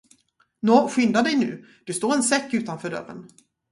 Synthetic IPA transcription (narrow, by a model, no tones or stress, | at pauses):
nɔːɧʏnd̪ad̪ɛjnʉ̟̰ː | d̪̥ɛst̪oːɾɛnsɛkːʉ̟ːt̪anfœːɖœ̰rːə̰n